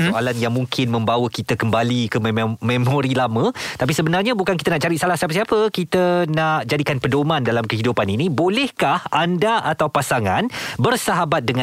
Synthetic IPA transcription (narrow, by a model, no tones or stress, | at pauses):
soalanjaŋmũŋkʰɪnmə̃mbawəkit̪əkəmbalikəmẽmõɾilamə̃t̪ap̬isəbənarɲãbukankit̪ənaʔt͡ʃaɾitsalahsiapəsiapəkit̪ənaʔd͡ʒadikanpədomãndalamkəɦidupaninĩbolɛhkahandaʔat̪awpasaŋanbərsaɦabat̪̚dəŋã